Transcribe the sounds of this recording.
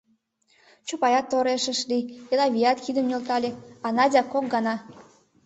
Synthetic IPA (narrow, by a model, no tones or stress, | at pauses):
t͡ɕopɑjɑt̪ːoɾeʃəʃlielɑβʲijɑt̪kid̪əmnʲølt̪ɑlʲeɑnɑdʲɑkok̚ɡɑnɑ